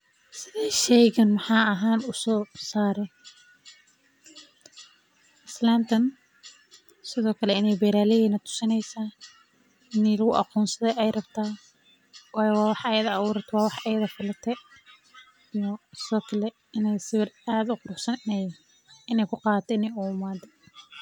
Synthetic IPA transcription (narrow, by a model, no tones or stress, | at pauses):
sɪðɛʃɛjɣɐnmɑħɑːɐɦaːnʊsɔːsaːɾɛ | ʔɪslaːnt̪ʰɐn | sɪðɔːkʰɐlɛɪnɛjbɛːɾaːlɪhiːnɐt̪ʰʊ̥sɪnɛjsaː | ɪnɛːlɐɣʊʔɑ̰quːnsɐðɛjɛjrɐbt̪ʰaː | wɑːjɛwɑːwɑħɐjɐðɐːwuːɾɐt̪ʰwɑːwɑħɛjɐðɐfɪlɐt̪ʰɛ | ijɔsɪðɔːkʰɐlɛ | ɪnɛjsɪβɐraːd̪ʊqʊɾʊħsɐnɛj | ɪnɛjkʰʊqɑːðɐt̪ʰɛɪnɛjʊʊmaːd̪ɛ